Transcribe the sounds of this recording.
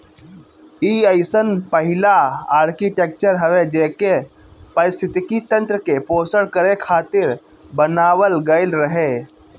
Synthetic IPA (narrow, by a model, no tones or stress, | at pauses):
iəɪsənpəɦɪlaaːɾkiʈeːk̚t͡ʃəɾɦəʋed͡ʒeːke | pəɾɪst̪ʰɪt̪ɪkit̪ə̃nt̪ɾəkepoːsəɽkəɾekʰaːt̪ɪɾ | bənaːwəlɡəɪlɾəɦe